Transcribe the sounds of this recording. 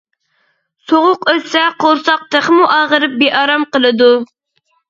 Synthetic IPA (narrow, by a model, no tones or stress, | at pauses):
soʁʊqøsɛqʰoɾsɑq̚t̪ʰəχmuʔɑːʁəɾɨp̚beʔɑɾɑmqəlˠɨd̪u